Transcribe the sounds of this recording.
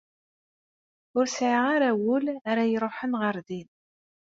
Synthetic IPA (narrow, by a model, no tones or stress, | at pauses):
ʊɾsʕəʁaɾæwəlaɾajɾˤoħənʁəɾðin